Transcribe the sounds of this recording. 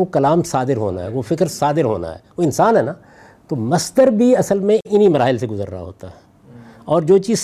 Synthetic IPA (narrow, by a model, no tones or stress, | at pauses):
okɐlaːmsaːd̪ɪɾɦo̰ːna̰ɦɛʋofɪkɾsaːd̪ɪɾɦo̰ːna̰ɦɛ̰ːʋoɪnsaːnɦɛna | t̪omɐsd̪əɾbʱiɐsəlmẽʔɪnimɐɾaːɦɪlseɡʊzə̰ɾːa̰a̰ɦo̰ːt̪aɦɛ | ɔːɾd͡ʒoːt͡ʃiː